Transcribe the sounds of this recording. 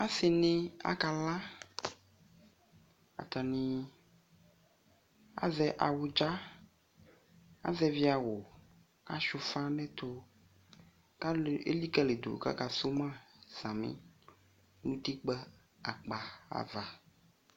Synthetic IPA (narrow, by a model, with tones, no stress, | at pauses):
a˦se˨nẽ˦a̰˦ka˨la˦ | a̰˨t̪a˨nĩ˨ | a̰˦zɛ˦ʔa˨wo˨d͡ʒa˦ | a̰˦zɛ˦vi˦a˨wo˨ | a̰˨ʃu˨fa˦nɛ̃˦t̪o˦ | ka˦˨ḛ˦li˦kɛ˦le˨d̪o̰˨ka̰˦ka˨so˦mã˦z̥ã˨mḭ̃˦ | nũ˦t̪i˦k͡pɛ˦ | a̰˨k͡pa˨a̰˨va˨